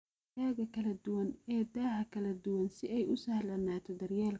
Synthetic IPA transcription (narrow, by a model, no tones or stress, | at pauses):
ɛːɣɐkʰɐlɐd̪ʊwɐnɛːd̪aːhɐkʰɐlɐd̪ʊwɐnsɪɛjʊsɐhlɐnaːt̪ʰɔd̪ɐrjaːl